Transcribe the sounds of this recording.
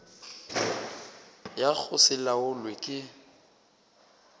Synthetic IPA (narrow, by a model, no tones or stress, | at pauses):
jak͡xʰʊsɪlaʊlwekʼɪ